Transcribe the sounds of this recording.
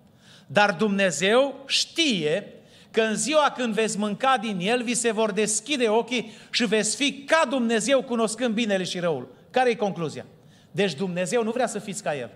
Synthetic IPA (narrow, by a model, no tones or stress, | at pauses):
d̪ard̪umne̞ze̞wʃt̪ije | kəɨnziwakɨnd̪vet̪sʲmɨŋkad̪inje̞lvise̞vo̞rd̪e̞skʲid̪e̞o̞kʲiʃive̞t̪sʲfikad̪umne̞ze̞wkuno̞skɨnd̪̚bine̞leʃiɾəul | kaɾeje̞ko̞ŋkluzia̰ | d̪e̞t͡ʃd̪umne̞ze̞wnuvɾeasəfit̪sʲkaje̞̰l